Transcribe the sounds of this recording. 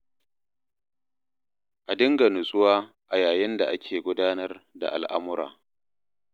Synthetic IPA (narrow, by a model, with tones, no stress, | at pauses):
ʔa˨dɪ˦ŋɡɐ˨nʊ˨sʼʊ˦waː˦ | ʔa˨jaː˨jɪ˦nda˨ʔa˦kʲʰeː˨ɡʷʊ˦daː˦nɐ˦rda̰˨ʔa̰˨lʔa˦mʊ˦ɾa̰ː˨